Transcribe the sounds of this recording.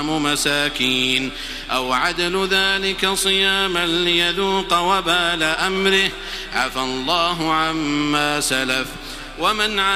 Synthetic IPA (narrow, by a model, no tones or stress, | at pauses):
mʊmasaːkiːn | ʔawʕad̪alʊðaːlɪkasˤɨjaːmalɪjaðuːqɑwabaːlaʔamɾɪh | ʕafalˤːɑːɦʊʕamːaːsalaf | wamanʕa